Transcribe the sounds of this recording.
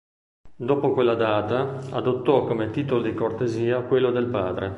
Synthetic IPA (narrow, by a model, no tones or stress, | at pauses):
d̪oːpokwelːad̪aːt̪aad̪ot̪ːɔkːomet̪iːt̪olod̪ikort̪eziːakwelːod̪elpaːd̪ɾe